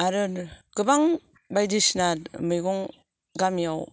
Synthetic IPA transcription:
aɾɯɾɡ̥ɯbaŋ | bajdisnaɾmɯjɡɔŋ | ɡamijaw

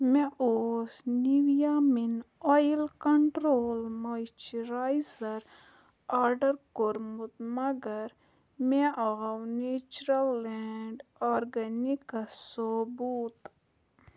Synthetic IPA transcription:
mẽʔoːsniʋjaminɔjilkɐɳʈɾoːlmajt͡ʃiɾajzɐɾ | aːɾɖɐɾkoɾmut̪mɐɡɐɾ | meʔɐɣɐwneːt͡ʃɾɐlːɛɳɖɔːɾɡɐnikɐsobuːt̪

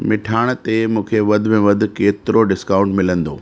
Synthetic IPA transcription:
mɪʈʰaːɽ̃t̪emũːkʰeʋɐd̪̆ʱmẽʋɐd̪ʱʊ̆keːt̪ɪɾoɖɪskaːʊ̃ɳʈmɪlə̃nd̪oː

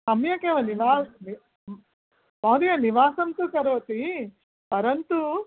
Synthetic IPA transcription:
sɐmjɐkeːʋɐniʋaːni | mɐːd̪ijɐniʋaːsɐmt̪ukɐɾʋɐt̪i | pɐɾɐnt̪u

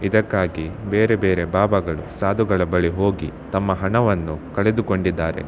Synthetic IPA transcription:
id̪ɐkːaːɡibeːɾe̞beːɾe̞baːbɐɡɐɭusaːd̪uɡɐɭɐbɐɭiɦo̞ːɡit̪ɐmːɐɦɐɳɐʋɐnːukɐɭe̞d̪uko̞ɳɖid̪ːaːɾḛ

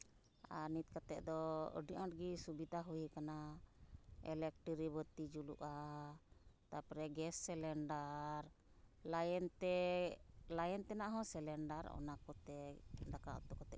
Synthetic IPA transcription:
aɾnit̪̚kat̪ɛʔd̪ɔə̰ɖiʔãʈɡisubid̪ʱaɦujikana | ɛ̰lɛk̚ʈiɾibət̪id͡ʒuluʔa | t̪apɾɛɡɛsːɛlɛɳɖaɾ | lajɛnt̪ɛ | lajɛnt̪ɛnaʔɦɔ̃sɛlɛɳɖaɾɔ̰nakɔt̪ɛd̪aka̰ʔɔ̰t̪ɔkɔt̪ɛʔ

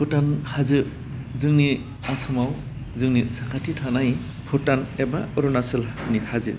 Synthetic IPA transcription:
pʰɯtanhazɯ | zɯŋni | asamaw | zɯŋnisakʰatʰitʰanaj | pʰutanɛbaɯɾunasɯlnihʰazɯ̰

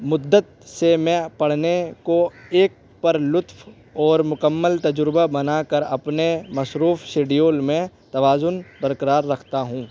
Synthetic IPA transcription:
mʊd̪ːət̪̚semɛ̃pɐɽ̤nekoeːk̚ | pɐɾlʊt̪f | ɔːɾmʊkəmːəlt̪ɐd͡ʒɾbabɐnakɐɾɐpnemɐsɾuːfʃeːɖijoːlmẽt̪ɐʋaːzʊnbəɾkəɾaːɾːɐkʰt̪aɦũː

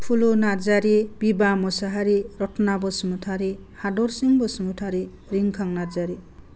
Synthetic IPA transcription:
pʰulonaɾd͡zaɾib̥ibamɔsaɦaɾiɾɔtʰnabɔsmutʰaɾihaɖɔɾsiŋbɔsmutʰaɾi | ɾiŋkʰaŋnaɾd͡zaɾi

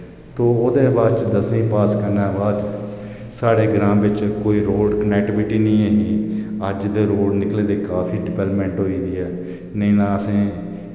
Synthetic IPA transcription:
t̪oːod̪eːbaːd̪t͡ʃd̪əsĩːpaːskəɾnaːbaːd̪ | saːɽeːɡɾãːmʋɪt͡ʃkoːiːɾoːɖknɛːʈɪbɪʈiːnĩːəɦiːəd͡ʒt̪eːɾoːɖnɪkleːd̪eːkaːfʰiːɖɪpɛːlpmɛ̃ːɳʈɦoːiːd̪iːɛː | nəĩːnãːəsẽː

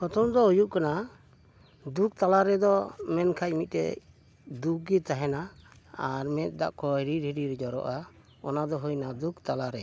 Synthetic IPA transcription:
kɔt̪ɔmd̪ɔɦujuʔkana | d̪uk̚t̪alaɾɛd̪ɔmɛnkʰac̚mit̪̚ˀtɛ̰ | d̪uɡit̪aɦɛna | aɾmɛt̪̚ˀd̪a̰ʔkɔɛɾiɾiɾiɾɛd͡ʒɔɾɔ̰ʔa | ɔnad̪ɔɦujnad̪ukt̪alaɾɛ

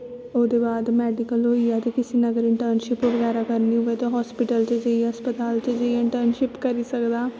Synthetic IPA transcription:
oːd̪eːbaːd̪mɛːɖɪkəloːiːaːt̪eːkɪseːnəɡəɾɪɳʈəɾnʃɪpʋəɣɛːɾaːkəɾniːɦʊeːt̪õːɦɔːspɪʈəlt͡ʃəd͡ʒəiːɦəspət̪aːlt͡ʃəd͡ʒəiɪɳʈəɾnʃɪpkəɾiːsəkd̪aː

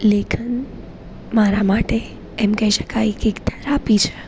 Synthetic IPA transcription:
lekʰən | maɾamaʈe | ɛmkəɦiʃə̥kajkeɡt̪ʰəɾapit͡ʃʰe

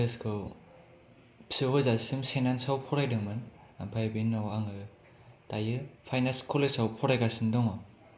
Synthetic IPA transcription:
eskʰɯw | psɯhɔzasɯmsenansawpʰɔɾajdɯmɯnampʰajbinːawaŋɯ | tajɯpʰajnaskʰɔlesawpʰɔɾajɡasɯndɔŋɔ

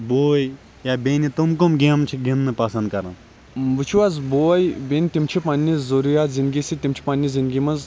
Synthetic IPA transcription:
boːj | jaːbenit̪umkumɡemt͡ʃʰiɡinːɨpɐsɐ̃nd̪̚kɐɾɐ̃ | ʋut͡ʃʰuaːzboːjbenit̪imt͡ʃʰipanʲːizzoɾujaːt̪zĩnd̪ɡisit̪imt͡ʃʰi̥panʲːizind̪ɡʲimɐz

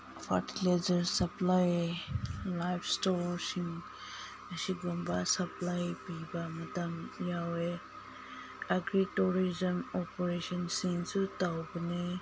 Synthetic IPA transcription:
pʰa̰ɾtilezɐɾsɐplaj | lajpʰstɔɾsiŋ | ɐsiɡumbasɐplajpibamɐtɐmjawe | ɐɡɾituɾizɐmɔpɔɾesɔnsiŋsutawbɐne

